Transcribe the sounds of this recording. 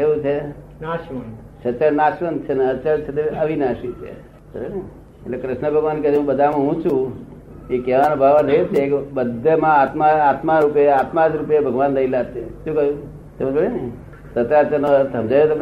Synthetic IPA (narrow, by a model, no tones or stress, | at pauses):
eʋũt͡ʃʰenaʃmənʃət͡ʃəɭnaʃʋənt͡ʃʰenaət͡ʃəɭt͡ʃʰet̪eəʋinaʃit͡ʃʰḛ | səɾene | eʈlekɾɪʃnəbʱəɡʋanked͡ʒɦũbəd̪ʱamãɦũt͡ʃʰũ | ekeʋanobʱaʋaɾt̪ʰəjet͡ʃʰekbəd̪ʱːemãːt̪maat̪maɾupeat̪mad͡ʒɾupjebʱəɡʋanləilat̪eʃũkəjũ | t̪emũt͡ʃəɽin | sət̪ɾat͡ʃənot̪əmd͡ʒajet̪əm